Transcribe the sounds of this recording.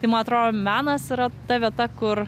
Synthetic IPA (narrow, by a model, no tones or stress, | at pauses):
t̪ɐɪmɐnɐt̪ɾoːjoːmʲæːnɐsiɾɐt̪ɐʋʲiɛt̪ɐkʊɾ